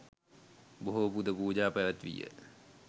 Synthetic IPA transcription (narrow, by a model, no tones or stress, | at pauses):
boɦopud̪əpuːd͡ʒaːpæʋæt̪ʋḭjə̰